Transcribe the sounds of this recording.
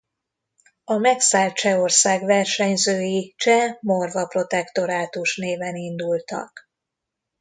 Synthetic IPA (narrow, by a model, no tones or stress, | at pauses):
ɒmɛksaːlt̪̚t͡ʃɛo̞rsaːɡvɛrʃɛɲzøːjit͡ʃɛmorvɒpro̞t̪ɛkt̪o̞ɾaːt̪uʃneːvɛnind̪ult̪ɒ̰k